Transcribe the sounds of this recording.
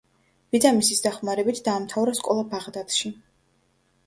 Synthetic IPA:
vid̪zamisisd̪aχmaɾɛbit̪ʰd̪aːmt̪ʰavɾaskʼɔlˠabaʁd̪at̪ʃi

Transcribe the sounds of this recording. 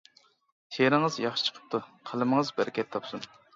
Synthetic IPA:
t̪ʰeɾɨŋəzjɑχʃɨ̥t͡ʃʰə̥qʰə̥p̚t̪ʰuqʰəlˠɨməŋəzbæɾɪkʲʰɛt̪ʰːɑpsun

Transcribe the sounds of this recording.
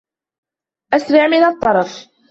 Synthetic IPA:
ʔasɾɪʕmɪnɑt̪ˤːɑɾˤɑf

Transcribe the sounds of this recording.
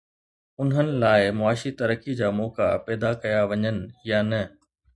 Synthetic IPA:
ʊnɦənɪ̆laːɪmʊaːʃit̪ɐɾəkid͡ʑaːmɔːka̰pɛːd̪akɐjaʋɐɲənɪ̆janɐ

